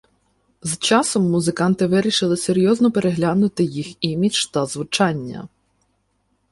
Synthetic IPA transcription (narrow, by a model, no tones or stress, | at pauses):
zt͡ʃɑsɔmːʊzɪkɑnt̪ɪʋɪɾʲiʃɪlˠɪseɾʲjɔznɔpeɾeɦlʲanʊt̪ɪjiximʲit͡ʃt̪ɐzʋʊt͡ʃɑnʲːɐ̰